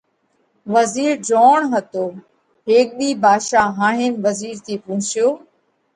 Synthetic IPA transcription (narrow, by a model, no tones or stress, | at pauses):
ʋəziːɾd͡ʒoːɳɦət̪oː | ɦeːk̚ɓiːbʱaːʃaːɦaːɦɪːnʋəziːɾt̪ʰiːpʊ̃ːʊ̃t͡ʃɪjoː